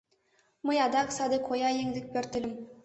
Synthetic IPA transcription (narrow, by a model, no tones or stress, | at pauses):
mɤ̆jɑd̪ɑksɑd̪ɤkʰojɑjeŋd̪ɘ̆k̚pʲøɾt̪ɘ̆lʲɘ̆m